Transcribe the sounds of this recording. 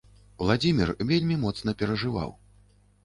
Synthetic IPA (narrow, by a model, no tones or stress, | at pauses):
wlˠad͡zʲimʲḭrvʲelʲmʲimɔt̪snɐpʲɛɾɐʐɨva̰w